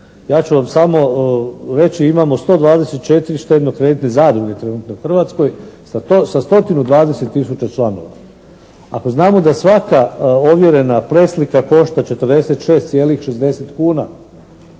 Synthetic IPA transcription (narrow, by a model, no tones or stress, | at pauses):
jaːt͡ɕuʋamsamo̞ | ɾe̞t͡ɕiimamo̞st̪od̪ʋaːd̪ese̞t̪̚t͡ʃe̞t̪iɾiʃt̪e̞d̪nokɾe̞ːd̪it̪nezaːd̪ɾuɡʲe̞t̪ɾe̞nuːt̪no̞uxr̩ʋat̪sko̞jsat̪osast̪o̞t̪inud̪ʋaːd̪e̞se̞t̪ːisut͡ɕat͡ʃlˠano̞̰ʋa̰ | a̰ko̞znaːmo̞d̪asʋakao̞ʋje̞ɾe̞napɾe̞slikako̞ʃt̪at͡ʃe̞t̪ərd̪ese̞t̪ʃe̞ːst̪sʲjeːlixʃe̞zd̪e̞set̪kuːna